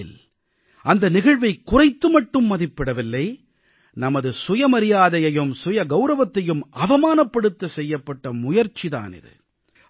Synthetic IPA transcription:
ɪl | ʔɐnd̪ɐnɪɣɐɻʋɐɪkʊrɐɪt̪ːɯmɐʈːɯmːɐðɪpːɪɽɐʋɪlːɐɪ | nɐmɐðɯsʊjɐmɐɾɪjaːðɐjɐjɯmsʊjɐɡɐʊɾɐʋɐt̪ːɐjɯmʔɐʋɐmaːnɐpːɐɽɯt̪ːɐsɛjːɐpːɐʈːɐmʊjɐɾt͡ʃiða̰ːnɪ̰ðɯ̰

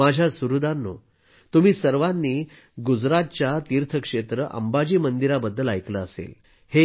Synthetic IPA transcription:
ad͡ʑʱjasuɾud̪ʱanːo̰ | t̪um̤iːsəɾʋanːiː | ɡud͡zɾat̪̚t͡ɕjat̪iɾt̪ʰəkʂet̪ɾəʔə̰mbad͡ʑiːmənd̪iɾabəd̪ʱːəlajkləːsḛl | he

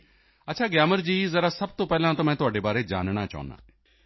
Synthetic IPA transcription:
ətːt͡ʃʰaːɡjaːməɾd͡ʑiːzɐɾasɐb̚t̪opɛːlãt̪omɛ̃ːt̪ʊɦaːɖebaːɾed͡ʒa̰ːnɽ̃at͡ʃa̰ːʊna̰ː

